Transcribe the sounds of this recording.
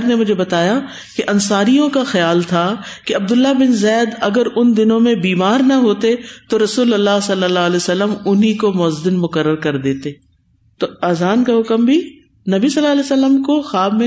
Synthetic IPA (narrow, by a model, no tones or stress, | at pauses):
ɾnemʊd͡ʒʱebɐt̪aːja | keʔɐnsaːɾijõkaxɐjaːlt̪ʰakeɐb̚d̪ʊlːabɪnzɛːd̪ɐɡəɾʊnd̪ɪnõmẽbiːmaːɾnɐɦoːt̪et̪oɾɐsuːlɐlːasɐlːəlːaːleːsəlːəmʊnɦikomɔːzd̪ɪnmʊkəɾːəɾkɐɾd̪eːt̪eː | t̪oaːzaːnkaɦʊkəmbʱi | nɐbisɐlːaːlɛsəlːəmkoxaːbmẽ